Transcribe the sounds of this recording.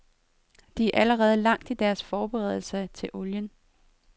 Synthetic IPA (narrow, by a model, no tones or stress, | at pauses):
d̥iæʔæləʁɛːð̞̩ˠlɑ̈ŋ̰d̥id̥æɐsfɒːb̥eʁɛ̰ð̞ˠl̩sɐt͡sʰe̝lʔo̝ljən